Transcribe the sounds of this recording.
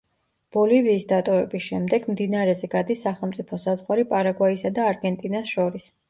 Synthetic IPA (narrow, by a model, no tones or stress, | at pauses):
b̥ɔliviːsd̪at̪ʼɔvɛbisʃɛmd̪ɛɡmd̪inaɾɛzɛɡad̪isːaχɛlˠmt̪sʼipʰɔsazʁwaɾipʼaɾaɡwaisad̪aːɾɡɛnt̪ʼinasʃɔɾis